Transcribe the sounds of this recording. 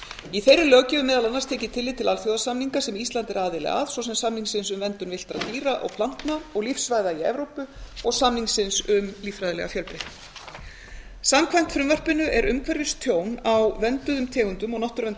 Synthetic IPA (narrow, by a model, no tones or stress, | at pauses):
iθejɾʏlœːɣcɪʏmɛːðalanːaɾ̥st̪ʰɛːcɪt̪ʰɪlːɪt̪ʰɪlalfjowðasamniŋkasɛmist̪lant̪ɪɾaːðɪlɛ̰ɣa̰ðswɔsɛmsamniŋsɪnsʏmvɛnt̪ʏnvɪl̥t̪ɾa̰t̪iːɾaʔɔ̰ɣpʰlan̥t̪naɔɣlifsvaːjðaiɛ̰vɾowpʏɔɣsamniŋsɪnsʏmliːfɾajðɪlɛ̰ɣafjœlpɪ | samkʰvajm̥t̪fɾʏmvar̥pɪnʏʔɛɾʔʏmkʰvɛɾjʏst̪ʰjoːwnawvɛnt̪ʏðʏmt̪ʰɛːɣʏnt̪ʏmɔɣnɔht̪ʏɾvɛnt̪